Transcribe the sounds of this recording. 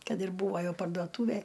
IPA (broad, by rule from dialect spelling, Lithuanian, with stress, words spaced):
ˈkɐt ɪr ˈbuːʋoː ˈjɛʊ pɐrduɔˈtuːʋʲɛj